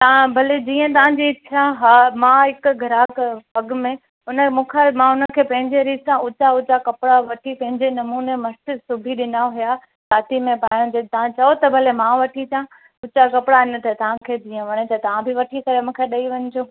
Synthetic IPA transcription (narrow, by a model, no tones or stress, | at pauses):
t̪ɐãbʱɐled͡ʑiːə̃t̪ɐʋ̤ãɲd͡ʑiɪt͡ɕʰãɦamãɦɪkʊɡʱɐɾaːkpɐɡmẽ | ʊnəmũːkʰemãʊnəkʰeːpɐ̃ɦɪ̃ɲd͡ʑeɾiːzsãʔʊt͡ɕaʊt͡ɕakɐpɪɽaʋɐʈʰipɐ̃ɦɪ̃ɲd͡ʑenɐmuːnemɐst͡ɕɪsʊbʱiɗɪnaɦʊja | saːt̪imẽpaːjõd͡ʑet̪ɐʋ̤ãt͡ɕɐot̪ɐbʱɐlemãʋɐʈʰit̪jã | ʊt͡ɕakɐpɽaɪnɪ̆t̪ɐt̪ɐʋ̤ãkʰeːd͡ʑiːə̃ʋɐɽ̃et̪ɐt̪ɐʋ̤ãbɪʋɐʈʰikɐɾemũːkʰeɗɐiʋɐɲd͡ʑoː